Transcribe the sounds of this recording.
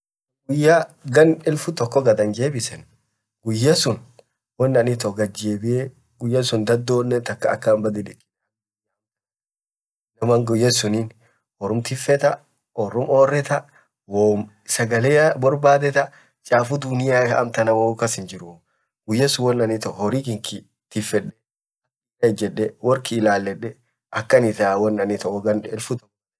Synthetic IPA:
ɡʊjːaɡɐnɪlfʊt̪ɔkːɔɡɐd̪ɐnd͡ʒeːbɪsɛn | ɡʊjːɐsʊn | wɔnːɐnit̪ɔɡɐd͡ʒeːbɪe | ɡʊjːɐsʊnd̪ɐd̪ːoːnːɛnt̪ɐkːɐɐkːɐːmbɐd̪ɪᶑɪ̥ | nɐmaŋɡʊjːɐsʊniːn | wɔɾʊmt̪ɪfɛt̪ɐ | ʔɔrːʊmoːrːɛt̪ɐ | woːm | sɐɡɐleːɐbɔɾbaːd̪ɛt̪ɐ | t͡ʃʼaːfʊd̪ʊnɪjaːɐ̰mt̪ɐnɐwokɐsɪnd͡ʒɪɾʊ | ɡʊjːɛsʊwɔnːɐnɪt̪ɔhɔɾikɪŋkɪ | t̪ɪfːɛɗɛ | ɐ | ɐd͡ʒɛᶑːɛwɔɾkɪːlaːlːɛᶑɛ | ʔɐkːɐnɪt̪aːwɔnːɐnɪt̪ɔɔɡɐnᶑɛɪlfʊt̪ɔ

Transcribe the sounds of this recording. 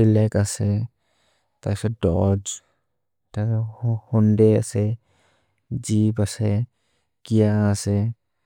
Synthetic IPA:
ilɛkasɛ | tajsɛdɔ̰d͡ʒ | tashɔndɛa̰sɛ | d͡ʒibasɛ | kijaːsɛ

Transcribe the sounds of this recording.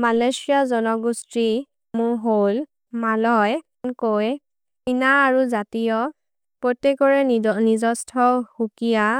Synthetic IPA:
malasijazɔnɔɡusti | mʊɹɦol | malɔj | koj | inaːɹuzatijɔ | pɹotekɔɹɛnizɔstʰɔhukija

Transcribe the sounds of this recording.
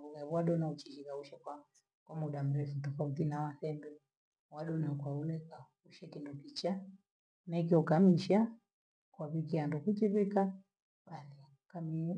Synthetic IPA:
ulɛβuwaɗɔnaut͡ʃiʃikauʃɛkwa | kwamuɗam̩ɾɛfutɔfauθinawaθɛmbɛ | waɗɔnakwaulɛka | uʃɛkindukit͡ʃa | naikiɔkamiʃa | kwaβikiandukut͡ʃiβika | ɓaθi | kami

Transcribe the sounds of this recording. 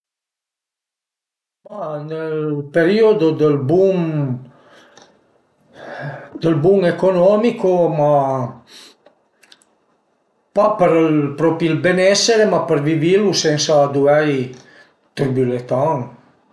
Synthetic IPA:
manəlpeɾiod̪od̪əlbuŋ | d̪əlbuŋekonɔmikoma | papəɾlpɾɔpilbenɛseɾemapəɾvivilusɛnsaːd̪uɛj | t̪ɾibylet̪aŋ

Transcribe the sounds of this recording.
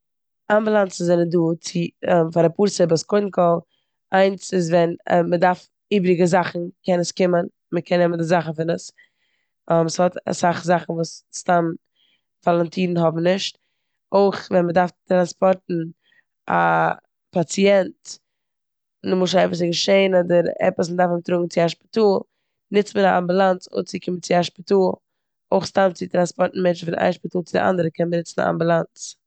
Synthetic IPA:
amblˠant͡sn̩zɛɪnənduːt͡sɪfaɾapuːɾsəbaskoɪn̩kʰɔlˠ | aɪnsɪzvɛnmədaɾf | iːbɾɪɡəzaχn̩kɛnəskɪmən | məkʰɛnːɛməndɪzaχn̩fɪnəs | mshɔta̰saχzaχn̩vuːsstam | falˠantʰiːdn̩ɦɔbm̩nɪʃt | oɪχvɛnmədaɾftɾanspɔɾtn̩ | ʔa̰ | pat͡siɛnt | nɪmʊʃ̬aɛpəs̬əɡəʃeɪnɔdəɾɛ̰pəs̬ndaɾfəmtɾʊɡŋ̩t͡sɪaʃpɪ̥tuːlˠ | nɪt͡smənaʔa̰mbulˠant͡sʊ̰t͡sɪkʰɪmənt͡sɪaʃpətuːlˠ | oɪχstamt͡sɪtɾanspɔɾtn̩mɛnt͡ʃfɪnʔa̰ɪʃpɪtuːlˠt͡sɪdɪ̰ʔa̰ndəɾəkʰɛnbənɪt͡sn̩a̰a̰mbulˠant͡s

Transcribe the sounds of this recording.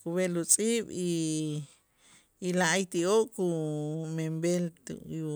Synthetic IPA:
kuβelut͡sʼiɓi | laʔajt̪ioʔkumembelt̪ṵu

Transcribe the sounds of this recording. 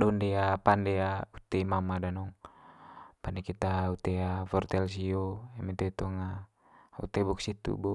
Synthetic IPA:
dɔndɛapandɛaut̪ɛimamadanɔŋ | pandekit̪aut̪ɛafɔrt̪ɛls̬iɔɛmɛt̪ɛt̪ɔŋa | ṵt̪ɛbɔksit̪ṵbɔ

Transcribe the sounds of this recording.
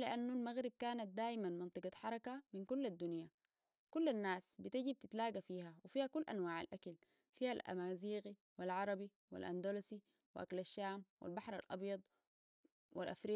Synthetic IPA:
lɪʔanːulmaɣɾib̚kaːnat̪̚d̪aːjmanmɑnt̪ˤɨɡɑħɑɾˤɑkaminkulːad̪ːunja | kulːanːaːsbit̪aɟib̚t̪it̪laːɡafiːhawifiːhakulːʔanwaːʕa̰lʔakal | fiːhalʔa̰maːziːɣi | wilʕɑɾˤɑbi | wḭlʔa̰nd̪olasi | wiʔa̰kalaʃːaːmwḭlbɑħɾˤalʔɑ̰bjɑd̪ˤ | wḭlʔafɾiː

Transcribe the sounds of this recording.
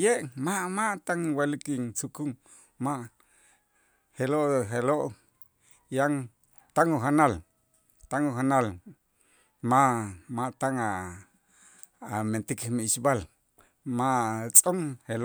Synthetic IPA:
jeʔmaʔmaʔt̪aŋwalikiŋt͡sukuŋ | maʔ | heloʔɦeloʔ | jaŋ | t̪aŋuɦanal | t̪aŋuɦanal | maʔmaʔt̪aŋa | ment̪ikmiʃbal | maʔt͡sʼoŋhelo

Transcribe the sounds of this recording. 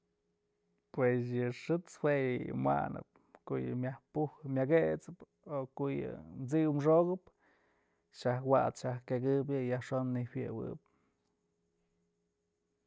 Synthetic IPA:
pwes̬jɨʂɨt͡shwejɨ̰mwa̰nɨ̰p̚ | koʔjɨ̰mʲahpuhɨmʲjaɡet͡sɨp | okoʔjɨ̰nt͡sɨwmʂoɣɨp | ʃahwat͡sʃahkeɡɨb̬ɨjahʂonːiwjɨwɨ̰p̚

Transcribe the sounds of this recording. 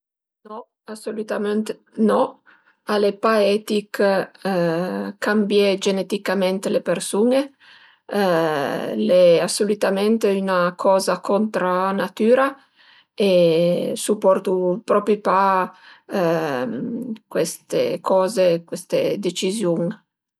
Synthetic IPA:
nɔ | asolut̪ament̪e | nɔ | alepaɛt̪ik | kambjɛd͡ʒenet̪ikament̪elepersuːne | leasːolut̪amɛnt̪eynakʰɔːzakɔnt̪ɾaːnat̪yːɾa | esupːɔrt̪upɾɔpɾipa | kwest̪ḛkʰɔːzekwest̪ed̪et͡ʃizjuŋ

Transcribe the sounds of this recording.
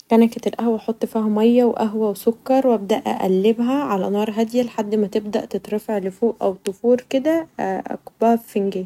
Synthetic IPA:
kænæket̪elʔæhwæħot̪ˤːfiːhæmɑjːæweʔæɦwæwesokːɑɾˤwʔæb̚d̪æʔʔæ̰ʔæ̰lːebɦæʕalæ̰nɑːɾˤɦæd̪jæleħad̪ːmæt̪eb̚d̪æ̰ʔt̪et̪ˤɾefeʕlefoːʔʔæwt̪ofuːɾked̪æʔæ̰kbæːfenɡeː

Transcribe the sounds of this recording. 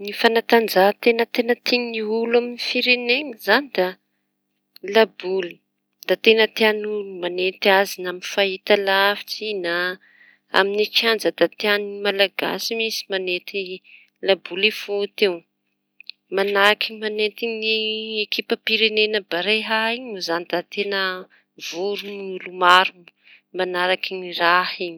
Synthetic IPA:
nifanat̪and͡zat̪enət̪enət̪iɲniulaminifiɾeneŋizanid̪a | labuli̥ | d̪̥at̪enət̪eanulumanet̪iazinaminfaɦit̪alafi̥t͡sina | a̰minit͡ʃiand͡zəd̪̥at̪eanimalaɡa̰simisi̥manet̪i | labulifot̪ew | manaɾakimanet̪iɲniekipəpiɾenenəbaɾeɦaiɲuzanid̪at̪enə | v̥uɾunlumaɾum | manaɾakiɲirahiɲ

